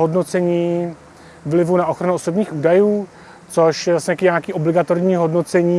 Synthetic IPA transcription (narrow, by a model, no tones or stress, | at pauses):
ɦodnot͡sɛɲiː | vlɪvunaʔoxɾanuosobɲiːxʔuːdajuː | t͡soʃjɛvlasɲɛt̪akiɲaːkiːʔoblɪɡat̪oɾɲiːɦo̞dno̞t͡sɛɲiː